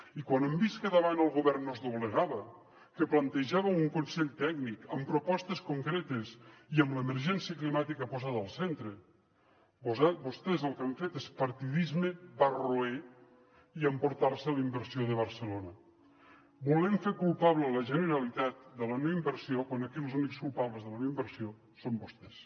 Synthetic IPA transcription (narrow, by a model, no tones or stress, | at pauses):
ikwanəmbiskəðəβanəlˠɣuβɛrnnːozðuβləɣaβə | kəplənt̪eʒaβəuŋkunsɛʎt̪ɛɡnikəmpɾopɔst̪əskuŋkɾet̪əziəmləeməɾʒɛnsiəklimat̪ikəpozaðəlˠsent̪ɾə | bozabost̪ezəlˠkaɱfet̪espəɾt̪iðizmebaroe | iəmpuɾt̪arsəalimbəɾsioðəβ̞əɾsəlonə | bulɛmfeɾkulˠpaβlələʒənəɾalit̪at̪̚d̪əlaneimbəɾsiokwanəkilˠzunikskulˠpaβləzðəlaneimbəɾsio | sombost̪es